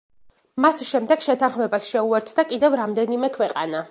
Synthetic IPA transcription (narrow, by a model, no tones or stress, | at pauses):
masʃɛmd̪ɛɡ̥ʃɛt̪ʰanχmɛbasʃɛuɛɾt̪ʰd̪akʼid̪ɛvɾamd̪ɛnimɛkʰwɛqʼana